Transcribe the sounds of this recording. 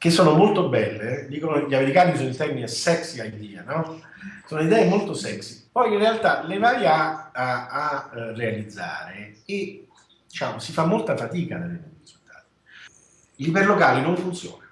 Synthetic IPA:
k̟esːoːnomolt̪obɛlːed̪iːkonoʎameɾikaːnisoːnilt̪ɛrminesɛksiajd̪iːa̰nɔ | soːnoid̪ɛːemolt̪osɛksipɔjinrealt̪alevaːjaaː | rːealid̪zːa̰ːɾee | d̪it͡ʃa̰ːmosifamːolt̪afat̪iːkad̪alenɛniɾizult̪aːt̪i̥ | liperlokaːlinoɱfunt̪sjɔ̰ːna

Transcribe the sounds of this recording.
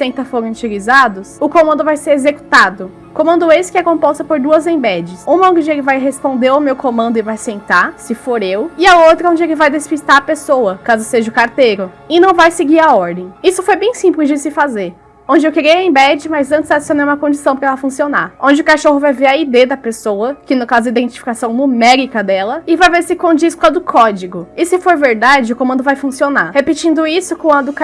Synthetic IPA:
sẽt̪ɐfoɾɐ̃ũt͡ʃilizad̪ʊsʊkõmɐ̃nd̪ʊvajseɾezeku̥t̪ad̪ʊ | kõmɐ̃nd̪ʊesɪ̥kɪɛkõpɔst̪ɐpoɾd̪uɐzẽj̃bɛd͡ʒɪsũmɐõd͡ʒɪelɪvajɦespõnd̪eɾawmewkõmɐ̃nd̪ʊɪvajsẽnt̪aɾsɪfoɾewɪɐowt̪ɾɐõd͡ʒɪelɪvajd̪espist̪aɾɐpesowɐkazʊseʒɐʊkaɾt̪eɾʊ | ɪnɐ̃w̃vajsɪɡiɾɐɔɾd̪ẽj̃isʊfojbẽj̃sĩplɪzd͡ʒɪsɪfazeɾ | õd͡ʒɪewkeɾejɐẽbɛd͡ʒɪmajzɐ̃nt͡ʃ̪ɪzad͡ʒsiõnejũmɐkõd͡ʒisɐ̃w̃pɾɐɛlɐfũsionaõd͡ʒɪʊkaʃoɦʊvajveɾɐid̪ed̪ɐpesowɐkɪnʊkazʊdɐid̪ẽt͡ʃi̥fi̥kasɐ̃w̃mumɛɾikɐd̪ɛlɐɪvajveɾsɪkõd͡ʒiskʊt̪ɐd̪ʊkʰɔd͡ʒiɡʊɪsɪfoɾveɾd̪ad͡ʒɪʊkõmɐ̃nd̪ʊvajfũsionaɾhepit͡ʃĩnd̪ʊisʊkõw̃ɐd̪ʊk

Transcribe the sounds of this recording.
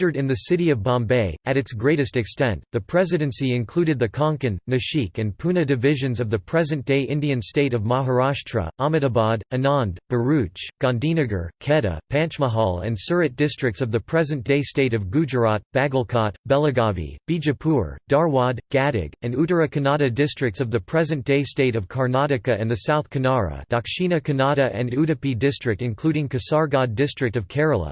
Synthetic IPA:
ə˞ɾɨ̃nðɨsɪɾiʌvbɑ̃mbeɪɨɾɨtsɡ̥ɹeɪɾɨstɨkstɛ̃nðɨpʰɹ̥ɛzɨɾɨ̃nsiɨ̃nkʰl̥uɾɨd̪̚ðɨkʰɑ̃ŋkɨ̃nːɨʃikɨ̃npʰunɨdɨvɪʒɨ̃nzʌvðɨpʰɹ̥ɛzɨ̃nd̥eɪʔɪ̃ndiɨ̃nsteɪɾʌvmɑɦə˞ɑʃtʰɹ̥ə̰ʔɑmɨɾəbɑd̚ɨnɑ̃nb̥ə˞ʉt͡ʃɡ̥ɑ̃ndĩnɨɡə̰˞kʰɛɾə̰pʰæ̃nt͡ʃməɦɑlˠɨ̰̃nsɜ˞ɨt̚d̥ɪstɹ̥ɨk̚tsʌvðɨpʰɹ̥ɛzɨ̃nd̥eɪsteɪɾʌvɡʉd͡ʒə˞ɑt̚b̥æɡl̩ˠkʰɑt̚b̥ɛlˠəɡɑvḭb̥id͡ʒɨpʰuɹd̥ɑɹwɑdɡ̥æɾɪ̰ɡɨ̃nuɾə˞ɨkʰɨnɑɾɨdɪstɹ̥ɨk̚tsʌvðɨpʰɹ̥ɛzɨ̃nd̥eɪsteɪɾʌv̥kʰɑɹnɑɾɨkɨɨ̃nðɨsaʊθkʰɨnɑɹə̰d̥ɑkʃĩnɨkʰɨnɑɾɨʔɨ̰̃nuɾɨpidɪstɹ̥ɨk̚tɨ̃nkʰl̥uɾɪ̃ŋkɨsɑɹɡɑddɪstɹ̥ɨk̚tʌv̥kʰɛɹəl̩ˠə̰

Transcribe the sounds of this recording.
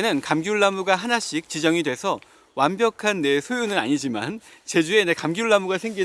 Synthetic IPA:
nɯnkamɡjuɭːamuɡaɦanaɕ͈ik̚t͡ɕid͡ʑʌŋidwe̞sʰʌ | wambjʌkʰanːe̞sʰojunɯna̰ɲid͡ʑima̰nt͡ɕe̞d͡ʑue̞ne̞kamɡjuɭːamuɡasʰe̞ŋɡi

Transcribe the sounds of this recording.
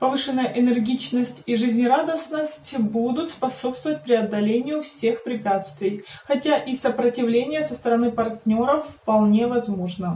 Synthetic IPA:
pɐvɨʂɨnːəjəʔɪnʲɨrɡʲit͡ɕnəsʲtʲiʐɨzʲnʲɪɾad̪əsnəsʲtʲbud̪ʊt̪spɐso̞pst̪vəvət̚ʲpɾʲɪɐd̪ːɐlʲenʲɪjʊfsʲe̞xpɾʲɪpʲat̪st̪vʲɪj | xɐtʲaʔisəpɾətʲɪvlʲenʲɪjəsəst̪əɾɐnɨpɐrtʲnʲo̞ɾəfːpɐlˠnʲevɐzmo̞ʐnə

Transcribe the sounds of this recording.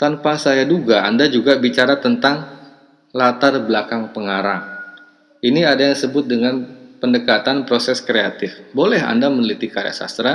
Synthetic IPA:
t̪anpasajaduɡaa̰ndad͡ʒuɡabit͡ʃaɾat̪ənt̪aŋ | lat̪arblakaŋpəŋaɾaŋ | ʔiniadajasəbʊt̪̚dəŋanpəndəkat̪anpɾosɛskɾeat̪ɪfbolɛɦa̰ndamənəlit̪ikaɾja̰ʔsa̰st̪ɾa

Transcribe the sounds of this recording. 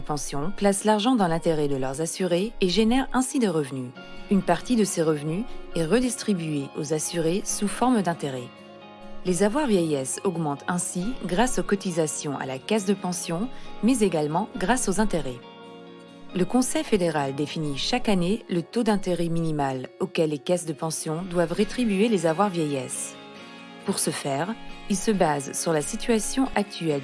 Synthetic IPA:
əpɑ̃sjɔ̃plaslaʁʒɑ̃d̪ɑ̃lɛ̃t̪eʁɛd̪əlœʁzasyʁeːʒenɛʁɛ̃sid̪eʁəvny | ynpaʁt̪id̪əseʁəvnyɛʁəd̪ist̪χibyeʔozasyʁesufɔʁmd̪ɛ̃t̪eʁɛ | lezavwaʁvjɛjɛsɔɡmɑ̃t̪ʰɛ̃siɡʁasokɔt̪izasjɔ̃ʔa̰lakazd̪əpɑ̃sjɔ̃mɛzeɡalmɑ̃ɡʁasozɛ̃t̪eʁɛ | ləkɔ̃sɛjfed̪eʁald̪efiniʃakanelət̪od̪ɛ̃t̪eʁɛminimalokʲɛlːekasd̪əpɑ̃sjɔ̃d̪wavʁet̪χibyelezavwaʁvjɛjɛs | puʁsəfɛʁilsəbazsyʁlasit̪ɥasjɔ̃ʔak̚t̪yɛl

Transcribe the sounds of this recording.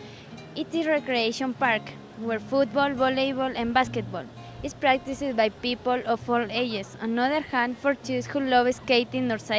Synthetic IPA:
it̪iɹekɾieʃɔ̃npaɾk | wɛɹfut̪̚bɔlbɔlebɔlãnbasket̪̚bɔl | ispɹak̚t̪isɪd̪̚bajpipolɔfɔled͡ʒesãnɔðəɹhãndfɔɹt͡ʃushulɔveskejt̪ĩnnɔɹsa

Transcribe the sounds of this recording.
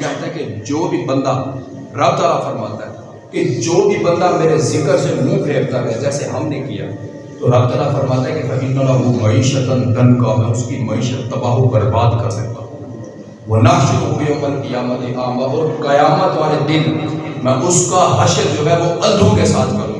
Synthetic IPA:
t͡ʃaɦt̪aɦɛked͡ʒoːbʱibɐ̃nd̪a | ɾɐb̚d̪alafɐɾmaːt̪aɦɛ | ked͡ʒoːbʱibɐ̃nd̪ameːɾezɪkəɾsemũːbʱeːɾt̪aɦɛd͡ʒɛːseɦɐmnekija̰ | t̪oɾab̚d̪t̪əlafɐɾmaːt̪aɦɛkefʰɐkiːalaʋomɐiːʃət̪ənd̪ɐnkaɦɛʊskimɐiːʃət̪ːɐbaːɦobɐɾbaːd̪kɐɾsɐk̚t̪a | ʋonaːʃkopjõbɐnkɐjaːmət̪eʔaːmɡaʔɔːɾkɐjaːmət̪ʋaːled̪ɪnmɛ̃ʔʊskaɦɐʃəld͡ʒoːɦɛʋoɐld̪ʱõkesaːt̪ʰkɐɾõ

